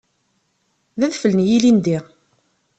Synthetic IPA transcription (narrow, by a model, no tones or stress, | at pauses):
ðæðfələnjilind̪i